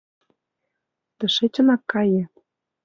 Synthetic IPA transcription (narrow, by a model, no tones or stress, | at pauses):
t̪ɤ̆ʃet͡ɕɤ̆nɑkːɑjĕ